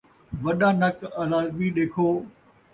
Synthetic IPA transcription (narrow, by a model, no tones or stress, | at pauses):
ʋɐɗãːnɐkɐlaːzmiɗeːkʰoː